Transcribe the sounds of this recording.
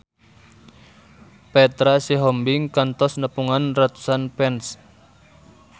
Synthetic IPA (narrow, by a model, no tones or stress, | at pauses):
pɛt̪ɾasiɦɔmbiŋkant̪ɔsnəpuŋanrat̪u̥sanpɛns